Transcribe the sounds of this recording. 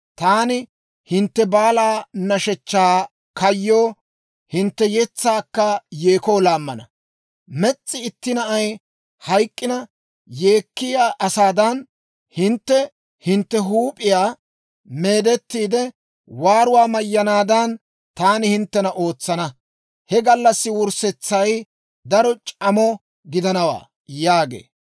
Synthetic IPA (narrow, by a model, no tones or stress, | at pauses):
t̪aːnɪ | hɪnt̪ːɛbaːlaːnɐʃɛt͡ʃːaː | kɐjːoː | hɪnt̪ːɛjɛt͡sːaːkːɐjeːkoːlaːmːɐnɐ̰ | mɛt͡sʼːɪɪt̪ːɪnɐʔɐj | hɐjkʼːɪnɐ | jeːkːɪjaːʔɐsaːd̪ɐn | hɪnt̪ːɛ | hɪnt̪ːɛɦuːpʼɪjaː | me̞ːd̪ɛt̪ːiːd̪ɛ | waːɾʊwaːmɐjːɐnaːd̪ɐn | t̪aːnɪhɪnt̪ːɛnɐʔo̞ːt͡sːɐnɐ | hɛɡɐlːɐsːɪwʊɾsɛt͡sːɐj | d̪ɐɾɔt͡ʃʼɐmɔ | ɡɪd̪ɐnɐwa̰ː | jaːɡḛː